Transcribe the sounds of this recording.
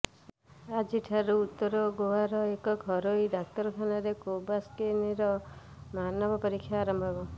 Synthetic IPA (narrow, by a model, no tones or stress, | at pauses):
ad͡ʒiʈʰaɾuut̪ːɔɾɔɡoɦaɾɔekɔɡʱɔɾoiɖak̚t̪ɔɾɔkʰanaɾekobaskeniɾɔmanɔbʱɔpɔɾikʰːjaːɾɔmbʱabɔ